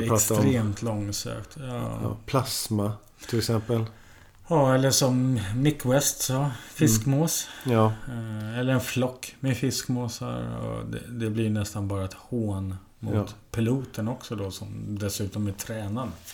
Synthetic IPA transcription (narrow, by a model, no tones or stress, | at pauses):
ɛɾeːmt̪ʰlɔŋːsø̰ːkt̪ɑ̰ːpʰlasma | t̪ʰɪlɛksɛmpəl | jɑːɛlːəʂɔmːɪkːwɛst̪sɔfɪkmoːs | ɛlːəɾɛnflɔkːmɛfɪskmoːsa̰ɾɔ̰d̪ɛ̰d̪ɛblɪɾnɛst̪anbɑːɾaɛt̪hoːn | mʊt̪pʰɪluːt̪ənɔksɔd̪ɔsɔmd̪ɛsʉ̟ːt̪ɔmɛt̪ʰɾɛːnan